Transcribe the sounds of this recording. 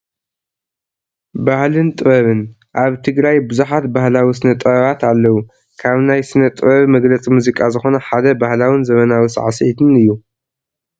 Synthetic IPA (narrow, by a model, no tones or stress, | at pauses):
bahlɨnt̪ʼɨβɐβɨn | ʔaβt̪ʰɨɡɾajbɨzuħat̪bahlawisɨnɐt̪ʼɐβɐβat̪ʰalːɐwu | kʰaβnajsɨnɐt̪ʼɨβɐβmɐɡlɐt͡sʼimuzikʼazɨxo̞nɐħad̪ɐbahlawɨnzɐmɐnawisʕasʔit̪ʰɨnɨjːu